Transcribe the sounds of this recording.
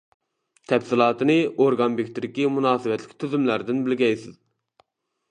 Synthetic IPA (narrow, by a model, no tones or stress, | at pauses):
t̪ʰɛpsɪlˠɑːt̪ɨnɨoɾɡɑnpikʲt̪ɪd̪ɪkʲimunɑːsɨwɛt̪lɪ̥kʲt̪ʰyzymlæɾd̪ɪnbɪlɡʲɛjsɪz